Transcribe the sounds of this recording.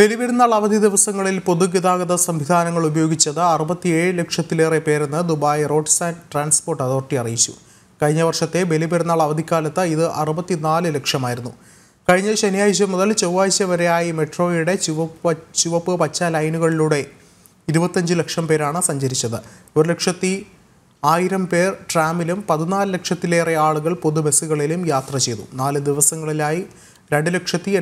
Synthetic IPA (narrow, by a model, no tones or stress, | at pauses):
be̞libɐɾunːaːɭɐʋɐd̪ʱid̪iʋɐsɐŋːɐɭilpo̞ðuɡid̪aːɡɐðɐsɐmʋid̪ʱaːnɐŋːɐɭubɐjo̞ːɡit͡ɕːɐðɨɐrubɐt̪ːieːɻɨlekʂɐt̪ːile̞ːrepe̞ːɾenːɨd̪ubaːjro̞ːʈsaːnʈraːnspo̞ːrʈːɐðo̞ːrʈiɐrijit͡ɕːṵ | kɐɻiɲːɐʋɐrʂɐt̪ːe̞be̞libɐɾunːaːɭɐʋɐd̪ʱikʲːaːlɐt̪ːɐiðɨʔɐrubɐt̪ːinaːlɨlekʂɐmaːjiɾunːu | kɐɻiɲːɐɕɐnijaːjiɕ̬ɐmuðɐlt͡ɕɐwaːjɕɐʋɐɾejaːjime̞ʈro̞ːjuɽe̞t͡ɕʋɐt͡ɕuʋɐpːɨpɐt͡ɕːɐlɐjnuɣɐɭiluːɽe̞ | iɾubɐt̪ːɐɲd͡ʑɨle̞kʂɐmpe̞ːɾaːɳɨsɐɲd͡ʑɐɾit͡ɕːɐðɨoɾle̞kʂɐt̪ːi | aːjiɾɐmpe̞ːrʈraːmilumpɐðinaːlɨle̞kʂɐt̪ːileːreaːɭuɣɐɭpo̞ðube̞suɣɐɭilumjaːt̪rɐt͡ɕe̞jt̪ṵnaːlɨd̪iʋɐsɐŋːɐɭilaːji | ɾe̞ɳɖɨle̞kʂɐt̪ːi